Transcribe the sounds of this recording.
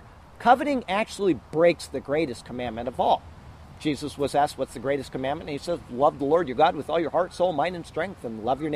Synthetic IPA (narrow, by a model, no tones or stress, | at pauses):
kʰʌvɨɾɪ̃ŋæk̚t͡ʃul̩ˠibɹeɪksðɨɡɹeɪɾɨskʰəmæ̃nmɨ̃ñʌvɔl̥ˠ | d͡ʒ̥izəswʌzæst̚wʌtsðɨɡɹeɪɾɨskʰəmæ̃nmɨ̃ñnisɛzlʌvðəlɔɹdjə˞ɡɑd̚wɨðɔlˠjə˞hɑɹtsoʊlˠmãɪ̃ndɨ̃nstɹ̥ɛ̃ŋk̚θɨ̃nlʌvjə˞n